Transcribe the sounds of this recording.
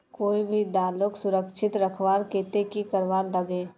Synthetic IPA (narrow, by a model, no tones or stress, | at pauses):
koːibʱid̪aːlʊksʊɾəkʃʰɪt̪ɾəkʰʋaːɾkeːt̪ekikəɾʋaːɾləɡẽː